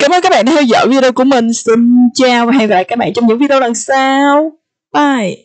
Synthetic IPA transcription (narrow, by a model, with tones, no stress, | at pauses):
kaː˨˦mɔ˨˦jkaː˦˥ɓa̰ː˧˨ɗa˧˩ɛ˧wzɔ̰ː˧˨jvi˧ɗi˧wku˧˩əmï˨˩ŋ̟si˧nt͡ɕaː˨˩wvaː˨˩haː˧˩jɔ̰˨la̰ː˧˩kaː˦˥k̚a̰ː˧˨t͡ɕɔ˧wŋ͡mɲɨ̰˧˥ŋvi˧ɗwla˨˩saː˧w | ɓaː˧˨˩j